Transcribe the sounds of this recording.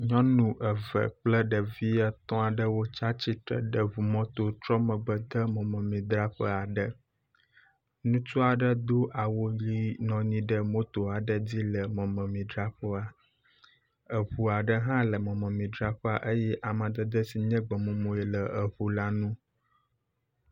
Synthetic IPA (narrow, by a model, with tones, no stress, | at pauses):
ɲɔ̃˦nũ˨ʔə˨və̰˨k͡plə˦ɖə˨vi˦a˦t̪ɔ̃˦a˨ɖə˦wo˦t͡ʃa˦t͡ɕi˦t̪ɾə̰˨ɖə˨vu˨mɔ̃˦t̪o˦t͡ʃ̪ɾɔ˦mə̃˨ɡ͡bə˨d̪ə˦mɔ̃˨mə̃˨mĩ˨d̪ɾa˦ɸə˦a˨ɖə˦ | nũ˦t͡ʃɔ˦a˨ɖə˦d̪o˦ʔa˨wo˦li˦nɔ̃˨ɲĩ˦ɖə˦mo˦t̪o˨a˨ɖə˦d͡zi˦lə˨mɔ̃˨mə̃˨mĩ˨d̪ɾa˦ɸɔ˦a˨ | ə˨ɸu˨a˨ɖə˦ɦã˦lə˨mɔ̃˨mə̃˨mĩ˨d̪ɾa˦ɸə˦a̰˨ʔə˦jɛ˦ʔa˨mə̃˨d̪ə˨d̪ə˦si˨ɲɛ̃˦ɡ͡bə˨mõ˨mõ˨jɛ˨lə˨ə˨βu˨la˦nũ˦